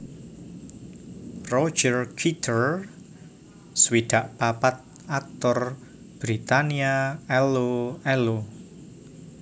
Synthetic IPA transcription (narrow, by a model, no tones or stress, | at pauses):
rɔ̥d͡ʒərkʰit̪ʰər | swid̪̥a̤ʔpapat̪̚ | ak̚t̪ɔr | b̥ɾit̪aniaɛloɛlo